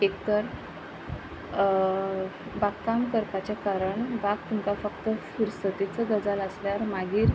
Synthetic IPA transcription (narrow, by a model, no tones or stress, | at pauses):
ek̚t̪əɾ | bakːamkəɾpat͡ɕakaɾəɳbaɡ̚t̪uŋkafəkt̪əfiɾsət̪it͡səɡəd͡zaləsljaɾmaɡiːɾ